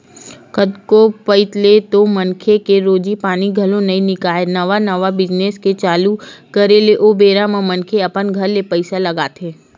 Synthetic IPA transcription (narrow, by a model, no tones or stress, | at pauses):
kəd̪kopəɪt̪let̪omɐnkʰekeɾoːd͡ʒipaːniɡʱɐlõnɐĩnɪkaːenɐʋanəʋabɪd͡ʒneːsket͡ʃaːlukɐɾeleʔoːbeːɾamãmɐnkʰeɐpənɡʱɐɾːepɐɪsalɐɡaːt̪ʰeː